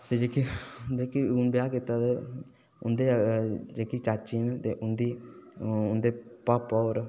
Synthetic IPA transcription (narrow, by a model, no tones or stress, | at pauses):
t̪eːd͡ʒeːkid͡ʒeːkiʊnbjaːkit̪aːt̪eː | ʊnd̪eːd͡ʒeːkiːt͡ʃaːt͡ʃiːnt̪eːʔʊnd̪iː | ʊnd̪eːpaːpɔːɾ